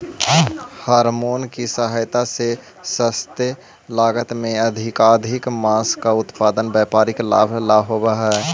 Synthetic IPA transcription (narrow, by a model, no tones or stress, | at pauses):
haɾmoːnkisəɦəjt̪ase | səst̪e | laːɡət̪mẽəd̪ʱɪkad̪ʱɪkmaskaʊt̪pad̪ənbjɛpaɾɪkla̰bʱlaɦobəɦɛ